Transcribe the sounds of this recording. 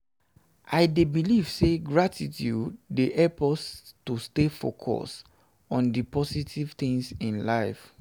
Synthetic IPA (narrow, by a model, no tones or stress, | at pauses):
ʔaɪdebiliv̥seɡɹatʰitjuddeʔɛpɔstustefo̰kʰɔ̰s | ɔ̃ndipɔsitʰiv̥t̪ĩŋsĩnlaɪf